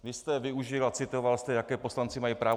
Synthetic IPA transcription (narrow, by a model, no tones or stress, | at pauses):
vɪst̪ɛvɪuʒɪlat͡sɪt̪o̞valst̪ɛjakɛːpo̞slant͡sɪmajipɾaːv